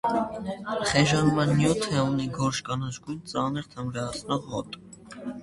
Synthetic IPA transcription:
χɛʒɑnmɑnːjut̪ʰəuniɡɔɾʃkɑnət͡ʃɡujnt͡sɑnəɾt̪ʰəmɾɑɑt͡sʰnɔʁːɔt̪ʼ

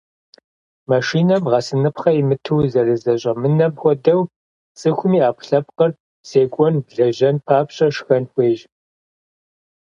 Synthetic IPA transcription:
maʃiːnɐmʁɐsɨnɨpχɐimɨtʰɨwzɐrɨzɐɕʼɐmɨnɐmxʷɔdɐw | t͡sʼɨxʷʊmiːaːpʷʰɬɐp̚qɐr | seːkʷʼɔnbɮɐʒɐnpʰaːpɕʼɐʂxɐnxʷʼeːʒ

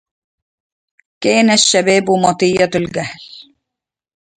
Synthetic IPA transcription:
keːnaʃːæbɛːbʊmɑt̪ijːat̪lɡæhl

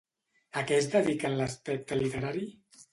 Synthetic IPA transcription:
əkɛzd̪əðikənləspɛk̚t̪əlit̪əɾaɾi

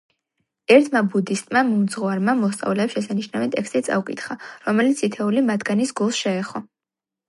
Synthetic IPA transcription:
ɛɾt̪ʰmabud̪ist̪ʼmamumd̪zʁɔaɾmamɔst̪sʼa̰vlɛːpsʃɛsaniʃnavɛt̪ʼɛkst̪ʼit̪sʼa̰ukʼit̪ʰχaɾɔmɛlit̪sʰit̪ʰɛulimad̪ɡanisɡulˠsʃɛːχɔ

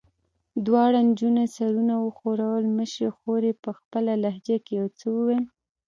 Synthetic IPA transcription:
d̪wɑɽand͡ʒunasaɾunawəxoɾawəlməʃɾexoɾepəxpəlalahd͡ʒakejawt͡səwəwel

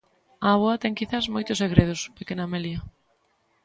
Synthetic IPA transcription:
aaβoɐt̪ɛŋkiθasmojt̪ʊseɣɾeð̞ʊspekenɐmeliɐ

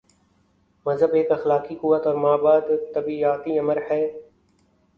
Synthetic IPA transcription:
məzɦəbeːkɐxlaːkikʊʋət̪ɔːɾmaːbaːd̪t̪əbiaːt̪iːɐməɾhɛː

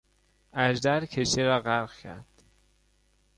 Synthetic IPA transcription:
æʒd̪æɾcʰeʃeɾɒːɣæɾɣcʰæ̰ɾd̪̥

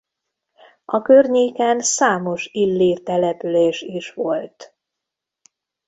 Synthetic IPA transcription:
ʔɒkørɲeːkɛnsaːmo̞ʃilːiːrt̪ɛlɛpyleːʃiʃʋo̞lt̪

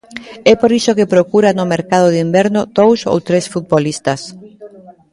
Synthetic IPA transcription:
ɛpoɾisokepɾokuɾanʊmeɾkaðʊðimbɛɾnʊd̪̥owso̰wt̪ɾesfut̪̚bolist̪as

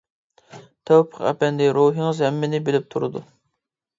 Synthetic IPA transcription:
t̪ʰæwpʰəqɛ̰pɛnd̪ɪɾuɦɨŋɨzhɛmːɪnɪbelɪp̚t̪ʰuɾɨd̪ṵ

